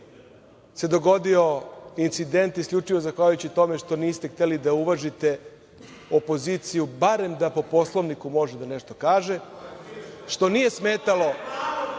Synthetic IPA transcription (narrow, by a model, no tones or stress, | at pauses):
se̞d̪o̞ɡo̞d̪io̞int̪sid̪e̞nt̪iskʎʲut͡ʂiʋo̞zaxaʎujut͡ɕit̪o̞me̞ʂt̪o̞niːst̪e̞xt̪elid̪auʋaʒit̪e̞ | o̞po̞zit̪sijubaɾe̞md̪apo̞po̞slˠo̞ʋnikumo̞ʒed̪ane̞ʃt̪o̞kaːʒe̞ | ʃt̪o̞nije̞smeːt̪alo̞